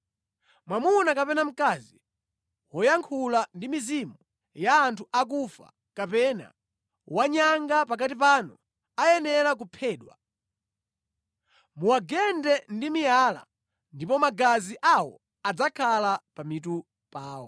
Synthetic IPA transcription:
mwamunakapɛnam̩kazi | wɔjaŋkʰulandimizimu | jaːntʰuʔak̬ufa̰ | kapɛna̰ | waɲaŋɡapak̬atip̬anu | ajɛnɛɾak̬upʰɛːɗwa̰ | muwaɡɛndɛndimijala̰ | ndipɔmaɡaziʔawɔ̰ | ad͡zakʰalapamitu | paːwɔ

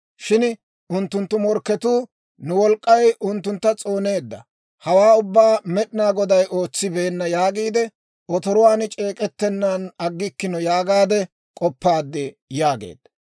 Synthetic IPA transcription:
ʃɪn | ʊnt̪ːʊnt̪ːʊmɔɾkːɛt̪uː | nʊwɔlkʼːɐjʊnt̪ːʊnt̪ːɐt͡sʼo̞ːne̞ːd̪ːɐ̰ | hɐwaːʊbːaːmɛɗɪnaːɡɔd̪ɐjo̞ːt͡sːɪbeːnːɐjaːɡiːd̪ɛ | ɔt̪ɔɾʊwaːnt͡ʃʼe̞ːkʼɛt̪ːɛnːanɐɡːɪkːɪnɔjaːɡaːd̪ɛ | kʼɔpːaːd̪ːɛ | jaːɡḛːd̪̥ɐ

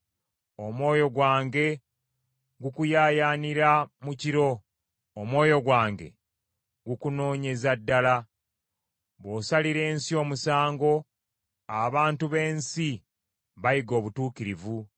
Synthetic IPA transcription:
omwo̞ːjo̞ɡwaːŋɡe̞ | ɡukujaːjaːniɾamuciɾo̞ː | mwo̞ːjo̞ɡwaːŋɡe̞̰ | ɡukuno̞ːɲe̞zadːala | βoːsaliɾe̞ːnsio̞ːmusaːŋɡo̞ | aβaːntuβe̞ːnsi | βajiɡo̞ːβutuːkiɾivu

